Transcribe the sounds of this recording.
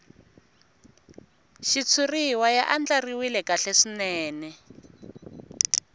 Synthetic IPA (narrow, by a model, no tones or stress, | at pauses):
ʃit͡sʰuriwajaʔand͡ɮariwilɛkaɬeʂinɛːnɛ